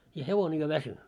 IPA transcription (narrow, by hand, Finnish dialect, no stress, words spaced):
jɑ heʋone jo ʋæsy